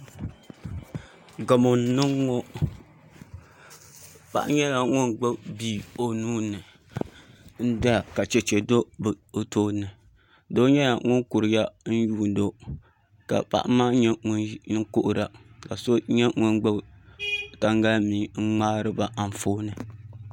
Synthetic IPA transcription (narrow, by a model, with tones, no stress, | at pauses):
ɡa˨mo˨n˨nɨ˦ŋː˦ɔ˦ | pa̰˦ʔɲɛ˦la˨ŋʊ˦nɡ͡ba˦bbi˦˨o˨nuː˦nɨ˨ | n̩˦da˦a˨ka˨t͡ʃɛ˨t͡ʃɛ˨do˦bo˨toː˦nɨ˨ | do˦ɲɛ˦la˨ŋʊ˦nku˨ɾɨ˨ja˦n̩˦juː˦n˦do˦ | ka̰˨pa̰˦ʔmaː˦ɲɛ˦ŋʊ˦nɨ˦ŋko˦ʔʊ˨ɾa˨ka˨so˦ɲɛ˦ŋʊ˦nɡ͡bɨ˦b | ta˦ŋɡa˦lmiː˨˦ŋ̩˦ŋ͡maː˦ɾɨ˦ba˨ʔa˨m˨foː˦nɨ˨